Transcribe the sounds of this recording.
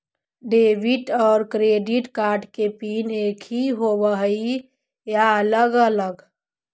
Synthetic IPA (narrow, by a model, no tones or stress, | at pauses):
ɖeːʋiʈɔːɾkɾeɖiʈkaːɾʈkepiːneːkʰiɦoʋəɦi | jaələɡələɡ